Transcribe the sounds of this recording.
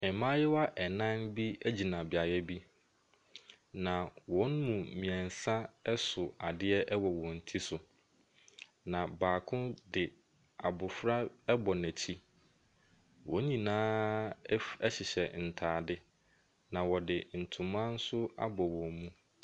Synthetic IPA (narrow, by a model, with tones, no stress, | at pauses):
ɛ˨mã˦jɛ˦wa˦ʔɛ˨nã˦nbi˦æ˦d͡ʑi˨nã˨bɪ˨a˨jɛ˦bi˦ | nã˨wɔ̃˨˦n̩˦mũ˨mĩ˨ɛ̃˨n˨sã˦sʊ˨a˨dɪ˦ɛ˦ʔɛ˦wɔ˨wɔ̃˨n̩˨tʰi˦sʊ˨ | nã˨baː˨kʰʊ̃˦dɪ˨ | a˨bʊ˨fɾa˦ɛ˦bɔ˨næ̃˨t͡ɕʰi˦ | wɔ̃˨˦ɲĩ˨nãː˦ | ɛ˦ɕɪ˨ɕɛ˨n̩˨tʰaː˨dɪ˦ | nã˨wɔ˨dɪ˨n̩˨tʰũ˨mã˦n̩˦sʊ˦a̰˦bɔ˨wɔ̃˨mũ˦